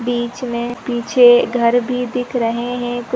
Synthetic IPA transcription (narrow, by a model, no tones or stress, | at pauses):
biːt͡ʃmẽpiːt͡ʃʰeɡʱɐɾbʱid̪ɪkʰɾɐɦeɦɛ̃kʊ